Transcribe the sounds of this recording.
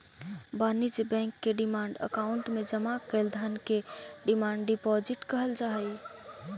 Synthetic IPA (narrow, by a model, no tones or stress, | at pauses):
banid͡ʒbɛ̃ŋkːeɖimaɳɖə̰kauɳʈmed͡ʒəmakəld̪ʱənkeɖimaɳɖɖipɔd͡ʒiʈkəɦəld͡ʒaɦəj